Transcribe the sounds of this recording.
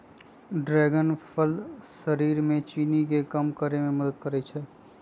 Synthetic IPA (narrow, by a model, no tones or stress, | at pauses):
ɖɾɛːɡənpʰəlsɐɾiːɾmẽt͡ʃiːnikekɐmkəɾemẽmɐd̪əd̪̚kɐɾet͡ʃʰɛː